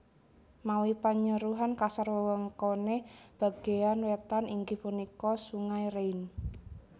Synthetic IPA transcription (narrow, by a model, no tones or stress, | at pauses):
mawipaɲəɾuɦankasərwəwəŋkoneb̥a̤ɡ̥e̤anwet̪aniŋɡipunikɔsuŋaiɾein